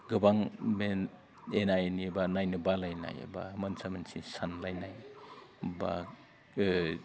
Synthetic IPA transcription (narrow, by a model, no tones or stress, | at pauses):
ɡɯbaŋme | enajnibanajnɯbalajna̰j̰ba̰mɐnsamansisanlajnaj | ba̰